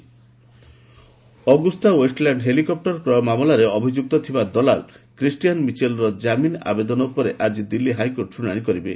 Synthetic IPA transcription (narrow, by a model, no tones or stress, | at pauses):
ɔɡust̪awesʈlaɳɖɦelikɔp̚ʈɔɾkɾɔmamɔlaɾeɔbʱid͡ʒuk̚t̪ɔt̪ʰibad̪ɔlal | kɾisʈijanmit͡ʃelɾɔd͡ʒamina̰bed̪ɔnɔupɔɾeʔad͡ʒid̪ilːiɦajkoɾʈsuɽ̃aɽ̃ikɔɾibe